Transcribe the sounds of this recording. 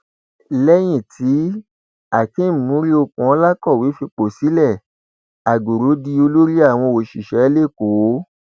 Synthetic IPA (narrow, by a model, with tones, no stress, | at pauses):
lɛ˦j̃ĩ˦˨tʰi˨˦ | a˨kĩ˨˦˨mũ˨˦ɾi˦o˧kũ˨ɔ˧˦la˦kɔ˦˨wi˨˦fi˧k͡po˨si˨˦lɛ˦˨ | a˨ɡo˨ɾo˨˦di˧o˧lo˦ɾi˦a˦˨w̃ɔ̃˧o˨ʃi˨ʃɛ˨˦le˦˨ko˨˦